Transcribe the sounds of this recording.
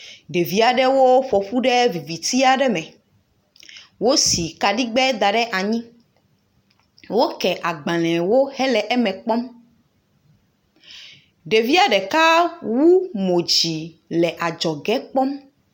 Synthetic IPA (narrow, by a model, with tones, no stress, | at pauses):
ɖe˨vi˦a˨ɖɛ˦wo˦ɸɔ˨ɸu˦ɖɛ˦vi˨vi˨t̪i˦a˨ɖɛ˦mɛ̃˨ | wo˦si˨ka˨ɖi˦ɡ͡bɛ˦d̪a˨ɖɛ˦ʔa˨ɲĩ˦ | wo˦kɛ˨ʔa˨ɡ͡bã˨lɛ̃˨wo˦hɛ˦lɛ˨ʔɛ˦mɛ̃˨k͡pɔ˦m | ɖe˨vi˦a˨ɖɛ˨ka˦wu˦mõ˨d͡ʑi˨ | lɛ˨ʔa˨d͡ʒɔ˨ɡɛ˦k͡pɔ˦m